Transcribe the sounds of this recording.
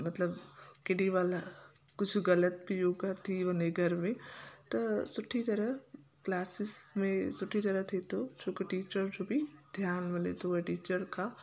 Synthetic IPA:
mɐt̪ləbkɪɽiʋaːla | kʊt͡ʃʰɡɐlət̪̚bʱijoːɡat̪ʰiʋɐneɡʱɐɾmẽt̪ɐsʊʈʰːit̪ɐɾəɦklaːsɪsmẽsʊʈʰit̪ɐɾəɦt̪ʰet̪ot͡ʃʰoːkaʈiːt͡ʃəɾd͡ʒobʱid̪ʱjaːnmelḛt̪oaʈiːt͡ʃəɾkʰa

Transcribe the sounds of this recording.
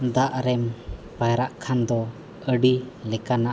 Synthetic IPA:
d̪aʔɾɛmpajɾaʔkʰand̪ɔ | əɖilɛkanaʔ

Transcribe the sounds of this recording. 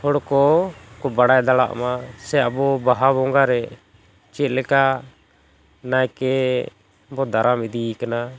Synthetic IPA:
hʰɔɽkɔkɔbaɽajd̪ala̰ʔmasɛabɔbaɦabɔŋɡaɾɛ | t͡ʃɛt̪̚ˀlɛka | najkɛ | bɔd̪aɾamid̪ikana

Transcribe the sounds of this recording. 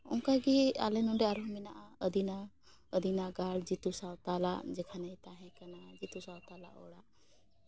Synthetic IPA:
ʊ̰ŋkaɡia̰lenuɳɖeaɾominaʔaəd̪ina | əd̪inaɡaːɽd͡ʒit̪usawt̪aːla̰d͡ʒekʰaneit̪aːɦɛ̃kɐnad͡ʒit̪usat̪aːla̰ʔoːɽa

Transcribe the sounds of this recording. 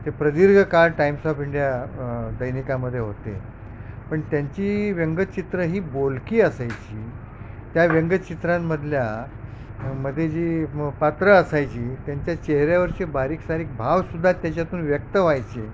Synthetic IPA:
t̪epɾəd̪iɾɡʱəkaɾʈaimsɔfiɳɖijad̪əjnikaməd̪ʱːjeɦot̪ḛ | pəɳt̪jaɲt͡ɕiːʋəŋɡətt͡ɕit̪ɾəɦiːbolkiːəsajt͡ɕiː | t̪jaʋjəŋɡət͡ɕit̪ɾãmːəd̪ʱlja | məd̪ʱːjed͡ʑiːpat̪ɾəəsajt͡ɕiːt̪jaɲt͡ɕjat͡ɕeɦɾjaʋəɾt͡ɕebaɾiːksaɾiːk̚bʱaʋsud̪ʱːat̪jat͡ɕjat̪uːnʋjək̚t̪əʋajt͡ɕe

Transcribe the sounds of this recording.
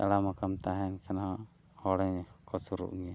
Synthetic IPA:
a̰ɽamakamt̪aɦɛnkʰanaa | hɔɽɛɲkɔsuɾṵʔŋiɲa

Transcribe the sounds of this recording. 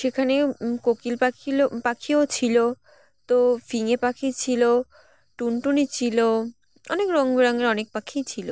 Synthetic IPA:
ʃekʰanekokilpailopakʰiot͡ɕʰilo | t̪ofiŋepakʰit͡ɕʰilo | ʈunʈunit͡ɕʰilo | ɔ̰nekɾoŋbeɾaŋeɾɔnek̚pakʰijt͡ɕʰilo

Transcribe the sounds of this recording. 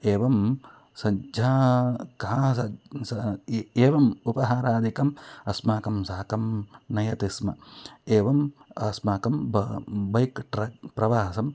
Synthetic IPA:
eːʋɐm | sɐd͡ʒʱaːkasɐsɐeːʋɐmupɐɦaːɾaːd̪ikɐmɐsmaːkɐmsaːɐkɐmnɐjɐt̪ismɐeːʋɐmɐsmaːkɐmbbɐjkʈɾɐpɾɐʋaːsɐm

